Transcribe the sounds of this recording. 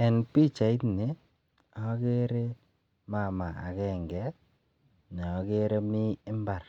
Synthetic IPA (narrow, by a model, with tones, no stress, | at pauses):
ɛ˨npi˦t͡ʃa˨i˦tne˨˦ | a˦ke˦ɾe˦ | ma˦˨ma˨a̰˨kɛ˨ŋɡɛ˦ | ɲɔ˨ke˦ɾe˦mi˦ɪ˦mba˨r